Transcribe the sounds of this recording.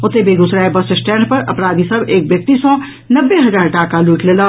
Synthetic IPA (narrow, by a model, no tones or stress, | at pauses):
ot̪ebʱeɡ̪usɾaebəssʈɛɳɖpəɾʔə̰pɾad̪ʱisəbek̚bjək̚t̪isɔ̃ | nəbːeɦəd͡ʒaːɾʈakaluʈlelə